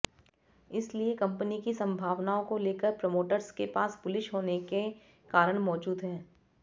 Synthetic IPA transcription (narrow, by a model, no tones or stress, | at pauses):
ɪsliekɐ̃mpənikisɐ̃mbʱaːʋnaːõkoleːkəɾpɾomoːʈəɾskepaːspʊlɪʃɦoːneke | kaːɾəɽ̃mɔːd͡ʒuːd̪ɦɛ̃ː